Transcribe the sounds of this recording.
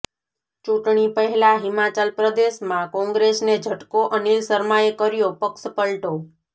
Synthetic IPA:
t͡ʃũʈɳipəɦɛlaɦɪmat͡ʃəlpɾəd̪eʃmãkɔ̃ŋɡɾesned͡ʒʱəʈkoʔənilsəɾmajekəɾjopəkʃpəɭʈo

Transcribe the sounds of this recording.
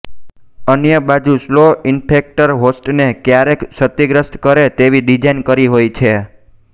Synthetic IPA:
ənjəbad͡ʒusloɪnpʰek̚ʈəɾɦosʈnekjaɾekʃət̪ːiɡɾəst̪kəɾet̪eʋiɖid͡ʒajnkəɾiɦojt͡ʃʰe

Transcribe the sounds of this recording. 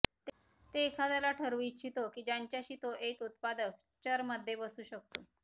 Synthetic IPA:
t̪ | t̪eːkʰad̪alaʈʰəɾuitːɕʰit̪okiːd͡ʑaɲt͡ɕjaɕiːt̪oʔekut̪̚pad̪ək̚ | t͡ɕəɾməd̪ʱːjebəsuːɕək̚t̪o

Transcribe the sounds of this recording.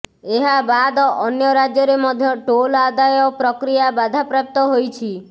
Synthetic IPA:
eɦabad̪ɔɔnjɔɾad͡ʒjɔɾemɔd̪ʱjɔʈolad̪ajɔpɾɔkɾijabad̪ʱapɾap̚t̪ɔɦojt͡ʃʰi

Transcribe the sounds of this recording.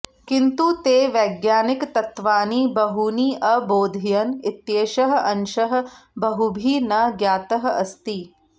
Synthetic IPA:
kint̪ut̪eːʋɐːɡjaːnikt̪ɐt̪ʋaːnibɐɦuniːʔɐboːd̪ʱijɐnit̪jeːʃɐɦɐ̆ʔɐnʃɐɦɐ̆bɐɦubʱiːnɐɡjaːt̪ɐɦɐɐst̪i

